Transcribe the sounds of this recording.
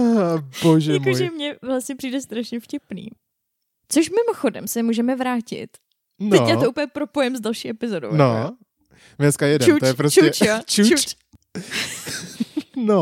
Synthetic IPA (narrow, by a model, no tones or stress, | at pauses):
boʒjɛɛmkoʒɛmɲɛvlast̪ɲɛpr̥iːdɛst̪ɾaʃɲɛfcɪpnḭː | t͡soʃmɪmoxodɛ̰msɛmuːʒɛmɛvɾaːcɪ̰t̪ | nɛcjaːt̪ouːpl̩jɛpɾopojɛmzdalʃiːʔɛpɪzodo̰wno | mɲɛskajɛdut̪ojɛpɾost͡ʃuɛt͡ʃot͡ʃuu | no